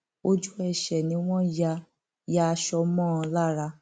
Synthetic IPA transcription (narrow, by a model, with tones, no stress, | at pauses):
o˧d͡ʒu˦ɛ˨ʃɛ˨nĩ˧˦w̃ɔ̃˦ja˧ | ja˧ʃɔ˧mɔ̃ː˦˨˧la˦ɾa˧